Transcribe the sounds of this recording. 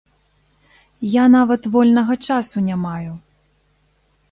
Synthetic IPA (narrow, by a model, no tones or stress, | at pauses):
janavɐt̪vɔlʲnɐɣɐt͡ʂasunʲamaju